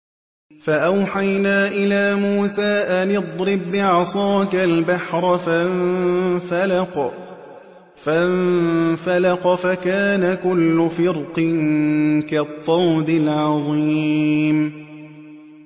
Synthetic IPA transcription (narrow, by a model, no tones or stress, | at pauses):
faʔawħajnaːʔɪlaːmuːsaːʔalɪd̪ˤɾɪbɪʕɑsˤɑːkalbaħɾˤɑfa | fl | a | falɑqɑfakaːnakʊlːʊfɪɾqɪnkat̪ˤːɑwd̪ɪlʕɑðˤiːm